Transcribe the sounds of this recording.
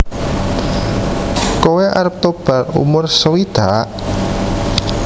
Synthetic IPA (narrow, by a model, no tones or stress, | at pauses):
koweʔa̰ɾp̚t̪ob̥a̤rṵmʊrsəwid̪̥a̤ʔ